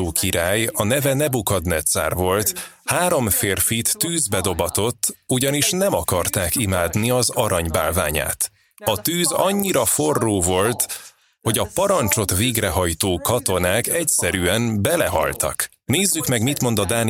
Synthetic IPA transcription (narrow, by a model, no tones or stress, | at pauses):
oːkʰiɾaːjɒnɛvɛnɛbukɒd̪nɛt̪sa̰ːrvo̞lt̪haːɾo̞mfeːrfit̪ːyːzbɛd̪o̞bɒt̪o̞t̪ːuɟɒniʃnɛmɒkɒrt̪aːkimaːd̪niɒzɒɾɒɲba̰ːlva̰ːɲa̰ːt̪ | ɒt̪yːzɒɲːiɾɒfo̞rːoːvo̞lt̪ | ho̞ɟɒpɒɾɒnt͡ʃo̞t̪ʋeːɡrɛɦɒjt̪oːkɒt̪o̞naːkɛcsɛɾyɛnbɛlɛɦɒ̰lt̪ɒ̰k | neːzːykmɛɡmit̪mo̞nd̪ɒd̪aːn